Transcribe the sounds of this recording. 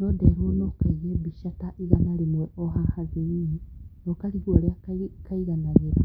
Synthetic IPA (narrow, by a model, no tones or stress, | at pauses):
nɔdɛɾuɔnɔkaiɣɛbiʃataʔiɣamaɾimwɛʔɔɦahaðeininɔkaɾihuɔɾeakaiɣanaɣeɾa